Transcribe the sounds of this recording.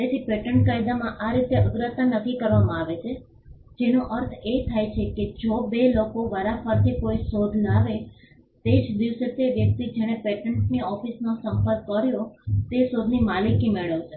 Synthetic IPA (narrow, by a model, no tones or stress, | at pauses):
et̪ʰipeʈəɳʈ̚kajd̪amãʔaɾit̪eʔəɡ̪ɾət̪ːanəkikəɾʋamãaʋet͡ʃʰe | d͡ʒenoʔəɾt̪ʰet̪ʰajt͡ʃʰeked͡ʒobelokoʋəɾafəɾt̪ʰikoisod̪ʱnaʋe | t̪ed͡ʒd̪iʋset̪eʋjək̚t̪id͡ʒeɽ̃epeʈəɳʈniɔfisnosəmpəɾkːəɾjot̪esod̪ʱnimalikːimeɭət͡ʃʰe